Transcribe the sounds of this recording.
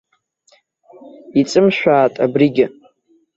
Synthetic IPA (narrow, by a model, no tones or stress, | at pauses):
it͡sʼɨmʃᶣaːtʼa̰briɡʲɪ